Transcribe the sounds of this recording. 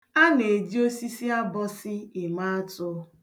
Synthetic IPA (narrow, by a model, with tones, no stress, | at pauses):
a˦ne˨d͡ʒi˦o˦si˦si˦a˦bɔ˦sɪ˦ɪ˨ma˦tʊ˦